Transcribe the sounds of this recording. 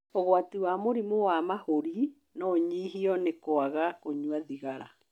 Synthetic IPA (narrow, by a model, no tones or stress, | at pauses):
ɔɣoatiwamoɾimowamahoɾi | nɔɲiːɦiɔnekoaɣakoɲwaðiɣaɾa̰